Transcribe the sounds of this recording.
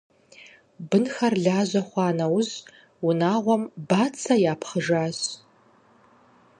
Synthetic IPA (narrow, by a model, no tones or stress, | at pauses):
bɨnxɐrɮaːʑɐχʷɑːnɐwz | wʊnaːʁʷɔmbaːt͡sʰɐjaːpʰχəʒaːɕ